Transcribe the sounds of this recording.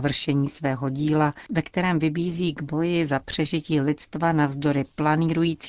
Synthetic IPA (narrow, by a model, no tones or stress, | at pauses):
vr̩ʃɛɲiːsvɛːɦo̞ɟiːlavɛkt̪ɛɾɛːmvɪbiːziːɡbo̞jɪzapr̝̥ɛʒɪciːlɪt̪st̪vanavzdo̞ɾɪplaniːɾujiːt͡sː